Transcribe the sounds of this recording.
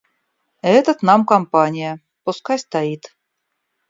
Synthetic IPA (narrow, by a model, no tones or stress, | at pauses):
et̪ɘ̆t̪nɑmkompɑnʲijə | puskɑsʲt̪ɑit̪